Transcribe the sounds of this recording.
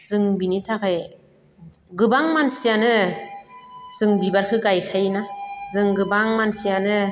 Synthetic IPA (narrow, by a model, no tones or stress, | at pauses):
z̥ɯŋbinitʰakʰe | ɡɯbaŋmansijanɯ | z̥ɯŋbibaɾkʰɯɡajkʰajnazɯŋɡɯbaŋmansijanɯ